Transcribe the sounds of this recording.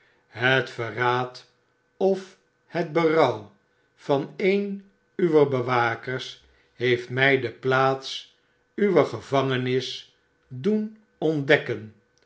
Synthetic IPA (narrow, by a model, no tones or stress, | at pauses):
ɦətfəraːt | ɔf | həd̚bərɑw | fɑnejn | yʋərbəʋaːkəɹs | ɦejftmɛjdəplaːts | yʋəχəvɑŋənɪs | dun | ɔndɛkən